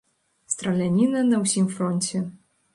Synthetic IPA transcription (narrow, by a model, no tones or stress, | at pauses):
st̪ɾɐlʲanʲinɐnɐwsʲimfɾɔnʲt͡sʲɛ